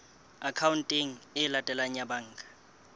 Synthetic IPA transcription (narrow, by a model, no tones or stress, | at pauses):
akʰawuntʼiŋ̩ɪlatʼɛlaɲabaŋ̩ːkʼḁ